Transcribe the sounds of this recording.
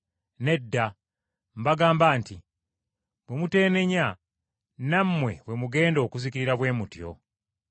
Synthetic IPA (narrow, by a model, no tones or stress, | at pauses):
ne̞dːa | mbaɡaːmbaːnti | βwemute̞ːne̞ɲa | namːwe̞̰βwe̞muɡe̞ːndo̞ːkuzikiɾiɾaβwe̞ːmutjo̞̰